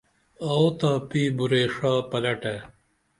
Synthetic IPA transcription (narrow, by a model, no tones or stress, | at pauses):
ɐot̪aːpiːbuɾeːʂaːpɐlɐʈe